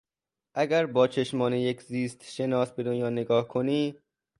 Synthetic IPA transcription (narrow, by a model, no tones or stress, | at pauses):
ʔæɡæɾbɒːt͡ʃʰeʃmɒːnejekʰziːst̪ʃe̞nɒːsbe̞d̪onjɒːneɡɒːhkʰoniː